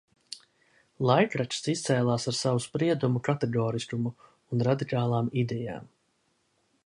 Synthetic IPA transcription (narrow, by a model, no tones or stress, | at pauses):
lˠajkɾat͡ʃsist̪sɛːlˠaːsaɾsavuspɾiɛd̪umukat̪ɛɡɔːɾiskumuː | nɾad̪ikaːlˠaːmid̪ɛja̰ːm